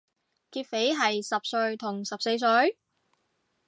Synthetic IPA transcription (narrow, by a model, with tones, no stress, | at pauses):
kiː˧t̚fe˨˥jɦɐ˨jsɐ˨p̚sɵ˧ɥt̪ʰʊ˨˩ŋsɐ˨p̚se˧js̬ɵ˧ɥ